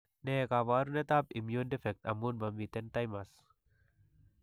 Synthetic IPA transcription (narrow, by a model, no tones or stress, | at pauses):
nekaʋaɾunet̪ap̚imjundifɛk̚t̪ɐ̰mːunbamʋit̪ɛnt̪ajmas